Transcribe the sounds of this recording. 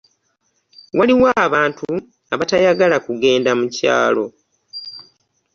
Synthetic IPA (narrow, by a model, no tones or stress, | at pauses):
waliwaːβaːntu | aβatajaɡalakuɡe̞ːndamuca̰ːlo̞